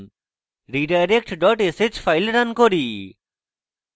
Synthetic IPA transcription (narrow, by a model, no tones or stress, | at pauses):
ɾiːɖajɾekʈɖɔʈeset͡ʃfʰaɪlɾankoɾiː